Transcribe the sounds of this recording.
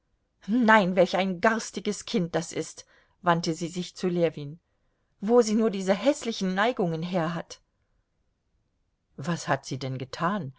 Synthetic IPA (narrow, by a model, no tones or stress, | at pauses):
naɪnvɛlçaɪnɡaʁstɪɡəskʰɪnt̚d̥asʔɪst | vantəziːzɪçt͡suleːɐviːn | voːziːnuːɐdiːzəɦɛslɪçn̩ːaɪɡʊŋənɦeːɐɦat | vashatz̥iːdɛnɡətʰaːn